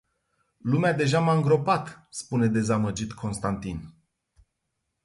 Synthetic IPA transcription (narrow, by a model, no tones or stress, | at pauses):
lumead̪e̞ʒamaɨŋɡɾo̞pat̪spune̞d̪e̞zaməd͡ʒit̪kʰo̞nst̪ant̪in